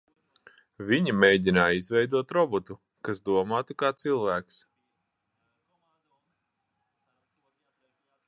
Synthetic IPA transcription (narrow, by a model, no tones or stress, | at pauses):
vʲiɲimɛjdʲinaːjizvɛjd̪uɔt̪ɾɔbɔt̪u | kasd̪uɔmaːt̪ikaːt̪silˠvæːks